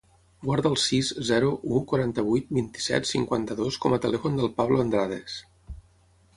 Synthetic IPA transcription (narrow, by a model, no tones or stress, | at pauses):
ɡwaɾðəːlˠsizzɛɾuʔukwuɾant̪əβ̞ujt̪̚bint̪i̥sɛ̰t̪siŋkwant̪əðoskɔmət̪əlɛfund̪əlˠpaβləənd̪ɾaðes